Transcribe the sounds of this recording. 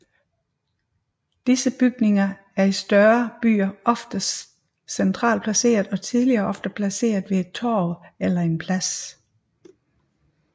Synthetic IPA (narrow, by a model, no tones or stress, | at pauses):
d̥isəb̥yɡ̥ne̝ŋɐ | æɐisd̥ɶːɐb̥y̰ːɐʔɒ̽fd̥əs | sent͡sʰʁɑ̰̈ːlpʰlæse̝̰ːɐðˠɒ̽t͡sʰiðˠliɐːʔɒ̽fd̥əpʰlæse̝̰ːɐð̩ˠʋe̝ed̥̚t͡sʰo̰ːelɐe̝npʰlæs